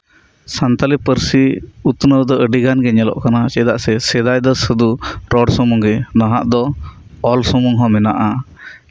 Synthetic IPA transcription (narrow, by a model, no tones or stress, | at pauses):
sant̪alipəɾsiut̪nəwd̪ɔʔəɖiɡanɡɛɲɛlɔ̰ʔkanat͡ʃɛd̪aʔsɛsɛd̪ajd̪ɔsəd̪uɾɔɖsɔmɔŋɡɛnaɦaʔd̪ɔɔlsɔmɔŋɦɔ̃mɛnaʔa